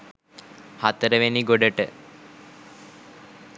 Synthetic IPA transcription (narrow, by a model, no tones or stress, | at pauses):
hat̪əɾəʋeniɡoɖəʈə